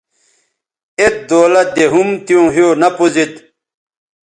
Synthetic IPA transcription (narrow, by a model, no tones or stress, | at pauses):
et̪̚d̪oːlɐd̪eɦumt̪ijõːɦionɐpuzit̪